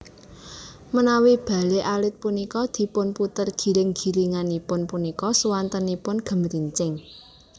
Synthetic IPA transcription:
mənawib̥a̤leʔalɪt̪̚punikɔd̪̥i̤pʊnput̪ərɡ̥i̤ɾɪŋɡ̥i̤liŋanipʊnpunikɔsuwant̪ənipʊnɡ̥ə̤mɾiɲt͡ʃɪŋ

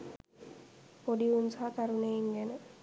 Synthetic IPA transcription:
poɖiunsaɦt̪aɾuneiŋɡenə

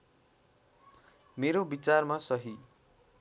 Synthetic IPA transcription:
meɾobit͡sarmasʌɦi

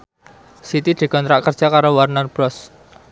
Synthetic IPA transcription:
sit̪id̪̥i̤kɔnt̪ɾaʔkərd̥ʒ̥a̤kaɾowarnarb̥ɾɔs

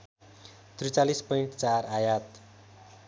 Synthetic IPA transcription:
t̪ɾit͡ʃalispɔiɳʈ̚t͡ʃarajat̪̚

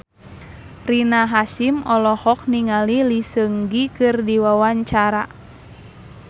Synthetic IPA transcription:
rinaɦasimɔlɔhɔk̚niŋalilisəŋɡikɨrdiwawaɲt͡ʃaɾa

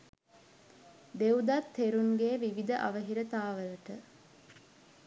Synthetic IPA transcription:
d̪eud̪at̪ʰːeɾuŋɡeːʋiʋid̪əʔa̰ʋəɦiɾət̪aːʋələʈə

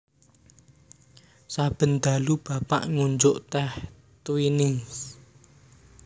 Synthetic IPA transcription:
sab̥ə̤nd̪a̤lub̥a̤pa̰ʔŋuɲd͡ʒʊʔt̪ɛh | t̪winɪŋs

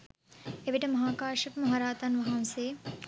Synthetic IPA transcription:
eʋiʈɐmɐɦaːkaːʃɐpmɐɦaɾaːt̪ɐnʋɐɦɐmseː

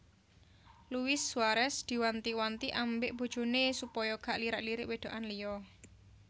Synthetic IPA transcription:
luwɪsːwaɾɛsd̪̥i̤want̪iwant̪iʔambeʔb̥o̤d̥d͡ʒ̥o̤nesupɔjɔɡ̥a̤ʔliɾaʔliɾɪʔweɖ̪̥o̤ʔanlijɔ

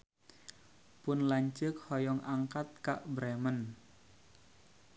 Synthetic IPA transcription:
pʊnlaɲt͡ʃək̚hɔjɔŋʔaŋkat̪̚kaʔbɾemən

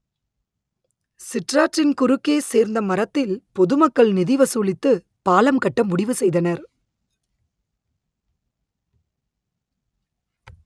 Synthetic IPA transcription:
sɪʈraːʈrɪnkʊɾɯkːeːseːɾnd̪ɐmɐɾɐt̪ːɪlpɔðɯmɐkːɐɭnɪðɪʋɐsuːlɪt̪ːɯ | paːlɐmkɐʈːɐmːʊɽɪʋɯsɛjðɐnɐɾ

